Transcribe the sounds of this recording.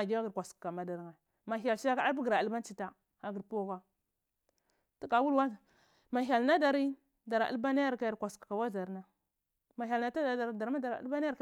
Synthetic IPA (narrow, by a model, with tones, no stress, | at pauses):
a˨ɡi˦wa˦ɡə˨ɾkʷa˨skka˨ma˨da˨ɾŋa˨ | ma˨ɦa˨lʃi˦a˦ka˦bɡi˨ɾa˨a˨lba˦n˦t͡ʃi˦ta˦ | a˨ɡi˨ɾpo˦ɡa˦ | tu˦ka˨˦wu˦lwa˦˨ | ma˨ɦa˨lna˦da˨ɾi˦ | da˨ɾa˨a̰˦ba˦na˦ja˦ɾka˦ja˨ɾkʷa˨skka˨wa˦za˨ɾna˦˨ | ma˨ɦʲa˨lna˨ta˦da˨da˨ɾda˨ɾma˦da˨ɾa̰˦lba˦n˦ja˦